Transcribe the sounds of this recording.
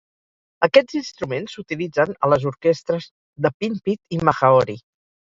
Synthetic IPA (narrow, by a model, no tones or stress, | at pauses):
əkɛd͡zinst̪ɾumensut̪ilid͡zənə̰ləzuɾkɛst̪ɾəz | ðəpimpit̪iməxəɔɾi